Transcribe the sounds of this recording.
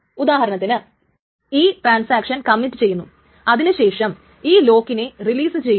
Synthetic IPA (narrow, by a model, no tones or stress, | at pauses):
ud̪aːɦɐɾɐnɐt̪ːinɨ | iːʈraːnsaːkʂɐnkɐmːinʈːɨt͡ɕe̞jːunːu | ɐðinɨɕe̞ːʂɐm | iːlo̞ːkːine̞riliːsɨt͡ɕe̞j